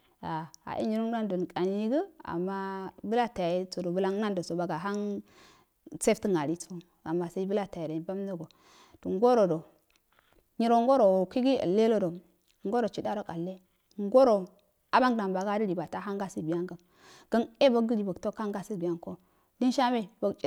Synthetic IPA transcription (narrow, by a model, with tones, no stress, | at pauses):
a˨a̰˨ʔḛ˦ɲi˨ɾo˦a˦ndo˨n˨kʼa˨n˦ji˦ɡə˦a̰˨mːa˦bə˦la˦ta˨ja˨ji˦t͡so˨do˨bə˦la˦ŋ˦na˦ndo˨so˨ba˨ɡa˨ɦa˦n | t͡se˦ftə˦ŋa˨ɾi˦t͡so˦ | a˨mːa˨sa˦i˦bə˦la˦ta˨ja˨ɾa˨ba˦mno˦ɡo˨ | do˨ŋ˦ɡo˦ɾo˨do˨ | ɲi˨ɾo˨ŋɡo˦ɾo˨wo˨ki˦ɡi˦ə̰˨lːe˦lo˦do˨ | ŋɡo˦ɾo˨t͡ʃi˨da˦ɾo˦ka˨lːe˦ | ŋ˦ɡo˦ɾo˨ | a˦ba˦ŋ˨da˨mba˨ɡa˦də˦ɾi˨ba˨ta˦ɦa˦ŋɡa˦si˦bi˨ja˦ŋɡə˨m | ɡ̥ə˦ne˦bə˦ɡɡə˦ɾi˨bə˨ɡto˦ka˦ŋɡa˦si˦bi˨ja˦nko˦ | di˦nʃa˦me˦bo˦ɡt͡ʃʼi˨